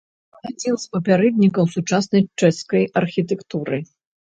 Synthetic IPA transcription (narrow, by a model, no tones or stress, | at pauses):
ad͡zʲinspɐpʲaɾɛd̪ʲnʲikɐwsut͡ʂasnɐjt͡ʂɛskɐjɐrxʲit̪ɛkt̪uɾɨ